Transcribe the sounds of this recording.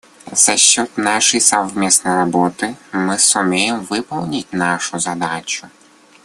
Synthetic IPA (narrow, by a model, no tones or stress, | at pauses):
z̥ɐʃt͡ʃɔt̪ʲnɑʃijsɐʋmʲisnɔjrɔbɔt̪ɪmɪsʊmʲijemʋɪpɔwnʲit̚ʲnɑʃʊzɐd̪ɑt͡ʃʊ